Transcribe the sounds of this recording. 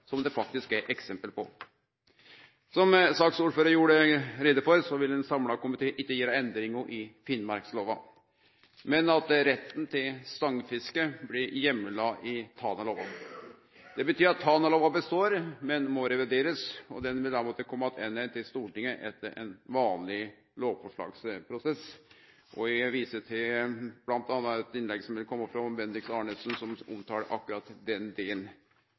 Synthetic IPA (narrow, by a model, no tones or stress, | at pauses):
sɔmd̪ɛfɑk̚t̪ɪskæɾʔɛksɛmpəlpʰɔ | sɔmsɑksuːɾføːɾəɾjuːɽəɾɛd̪əfɔɾsɔʋɪlɛnsɑmlɑkʊmɪt̪ʰeːʔɪkːəjeːɾəɛnd̪ɾɪŋəʔɪfɪnmɑɾksloːʋɑ | mɛnɑt̪ɾɛt̪ːn̩t̪ʰɪlst̪ɑŋfɪskəblɪɾjɛmːəlɑɪt̪ʰɑːnɑloːʋɑ̰ | d̪̥ɛbət̪ʰyːɾɑt̪ʰːɑːnɑloːʋɑbəst̪oːɾmɛnmɔɾɛʋɪɖeːɾəsɔd̪ɛnʋɪld̪æmoːt̪əkʰɔmːɑt̪ʰɛnːət̪ʰɪlst̪uːʈɪŋːəʔɛt̪ːəɾʔɛ̰nʋɑːnlɪ | loːʋfɔʂɭɑ̰ːɡspʰɾʊsɛs | ʔɔɪʋiːsət̪ʰɪb̥lɑnt̪ɑːnːɑɛt̪ɪnlɛɡsɔmʋɪlkʰɔmːɑfɾɑbɛnd̪ɾɪksɑːɳəsnsɔmʊmt̪ʰɑːɾʔɑ̰kːʉɾɑt̪d̪ɛnd̪eːln